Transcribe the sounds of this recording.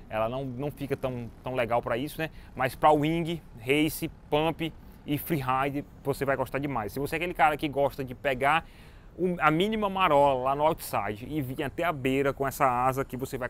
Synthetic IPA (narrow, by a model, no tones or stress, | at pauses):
ɛ̰lɐnɐ̃w̃nɐ̃w̃fikɐt̪ɐ̃w̃t̪ɐ̃w̃lɛɡawpɾɐisʊnɛmajspɾɐuĩɡɪhejsɪpɐ̃piː | fɾiɦajd̪ɪɾ | vosevajɡɔʃt̪aɾd͡ʒɪmajsːɪvoseɛakelɪkaɾɐkɪɡɔʃt̪ɐd͡ʒɪpɛɡaɾ | ʊɐmĩnĩmɐmaɾɔlɐlanʊawt̪sajd͡ʒɪːvĩɲɐt̪ɛɐbeɾɐkõɛsɐazɐkɪvosevaj